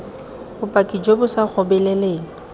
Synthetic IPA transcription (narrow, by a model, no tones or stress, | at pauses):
bʊpʼakʼid͡ʒobʊsak͡xʰɔbɛleleːŋ̩